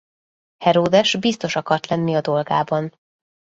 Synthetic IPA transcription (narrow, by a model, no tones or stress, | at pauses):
hɛɾoːd̪ɛʃbist̪o̞ʃɒkɒrt̪lɛnːiɒd̪o̞lɡa̰ːbɒn